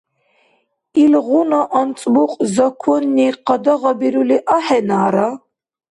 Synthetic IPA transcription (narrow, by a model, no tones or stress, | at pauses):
ilʁunaʔant͡sʼbuqʼzɐkʷʰɔnːiqɑd̪ɐʁɑbiɾuliʔaħɛnaːɾa